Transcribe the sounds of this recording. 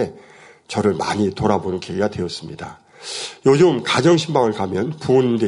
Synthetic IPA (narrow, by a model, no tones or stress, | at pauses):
e | t͡ɕʌɾɯɭmaɲitoɾabonɯnkeiɡadwe̞ʌs͈ɯmɲida | jod͡ʑɯmkad͡ʑʌŋɕʰimbaŋɯɭkamjʌnpuʌnde